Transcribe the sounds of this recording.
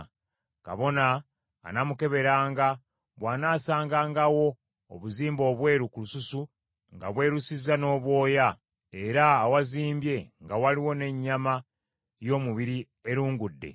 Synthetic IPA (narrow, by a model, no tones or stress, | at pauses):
ka̰βo̞na̰ː | namuke̞βe̞ɾaːŋɡa | βwaːnaːsaːŋɡaːŋɡawo̞̰ː | βuziːmbo̞ːβwe̞ːɾukulususu | ŋɡa̰βwe̞ːɾusizano̞ːβwo̞ːja | eɾaːwaziːmbje̞ŋɡawaliwo̞ne̞ɲːama | jo̞ːmuβiɾi | eɾuːŋɡudːe̞̰